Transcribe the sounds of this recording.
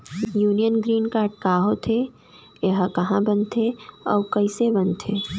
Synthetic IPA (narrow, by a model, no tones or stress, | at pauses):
juːnijənɡɾiːnkaːɾɖ̚kaːɦot̪ʰe | jeɦkɐɦãbənt̪ʰeɔːkɐɪsebɐnt̪ʰeː